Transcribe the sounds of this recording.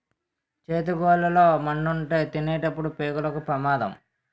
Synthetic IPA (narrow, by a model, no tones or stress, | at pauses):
t͡ʃeːt̪̬uɡɔːlɐloːmɐɳɖuɳʈeːt̪inɛːʈɐpːuɽupeːɡulɐkupɾɐmaːd̪ɐ̰m